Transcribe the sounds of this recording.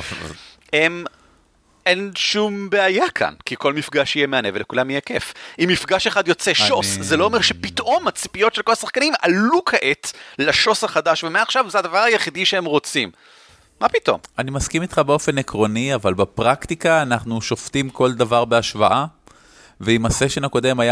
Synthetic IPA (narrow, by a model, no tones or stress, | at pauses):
em | ʔe̞nʃumbe̞ajakʰa̰nkiko̞lmifɡaʃijemeanevelekulamjekefimːifɡaʃeχad̪jo̞t͡seʃo̞szelo̞ːmeʁʃepit̪ʔo̞mhat͡si̥pijo̞tʃelko̞lasaχkanimalukʰaʔet̪laʃo̞saχad̪aʃvemeaχʃavzeadavaʁajeχid̪iʃeemʁo̞t͡simː | apit̪o̞̰manimaskimit̪χabeo̞fe̞nekʁo̞niavalbepʁakt̪ikaːnaχnuʃo̞ft̪imko̞ld̪avaʁbeaʃvaʔa | veimaseʃenako̞d̪e̞maja